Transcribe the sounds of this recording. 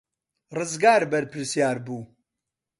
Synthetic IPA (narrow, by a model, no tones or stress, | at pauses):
rɨzɡaːɾbɐɾpʰɨɾsijaːɾbuː